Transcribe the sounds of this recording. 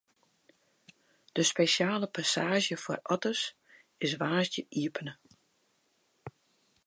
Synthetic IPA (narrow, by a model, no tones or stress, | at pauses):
d̥əspeʃjaːləpasaːʒjəfɔ̰rʔɔtəs | ɪsʋaːsdjəʔiəpənə